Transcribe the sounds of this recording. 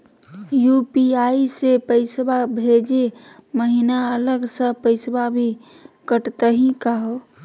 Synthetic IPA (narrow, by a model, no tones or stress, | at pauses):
jupiaisepəɪsbabʱed͡ʒeməɦinaələɡsəpəɪsbabʱi | kəʈt̪əɦikaɦo